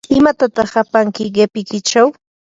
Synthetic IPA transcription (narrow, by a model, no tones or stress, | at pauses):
ɪmat̪at̪ɑχapaŋkɪɢepɪkɪt͡ʃaw